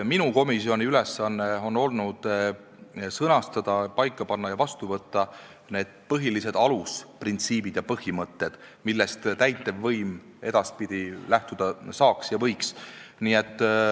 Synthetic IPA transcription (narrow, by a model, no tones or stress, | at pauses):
minuko̞misio̞nʲiyle̞sːɑnːe̞o̞no̞lnud̪̥ | sɤnɑst̪ɑd̪̥ɑpɑjkːˑɑpɑnːɑjɑvɑst̪uvɤt̪ːɑ | ne̞ːd̪̥̚pɤɦilise̞d̪̥ɑlusprint̪siːb̥id̪̥jɑpɤhimɤt̪ːe̞d̪̥milːest̪t̪æjt̪ːˑe̞vːɤjm | e̞d̪̥ɑspid̪̥ilæht̪ud̪̥ɑsɑːksjɑvɤjksniːet̪ːˑ